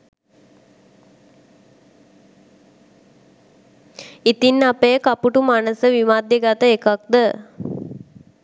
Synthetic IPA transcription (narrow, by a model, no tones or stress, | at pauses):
it̪inːapejəkapuʈumanəsəʋimaːd̪jəɡat̪əekak̚d̪ə